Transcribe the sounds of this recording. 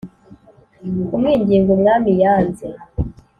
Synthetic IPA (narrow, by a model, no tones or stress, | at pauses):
umŋiːɲɟiːŋɡumŋaːmijaːnze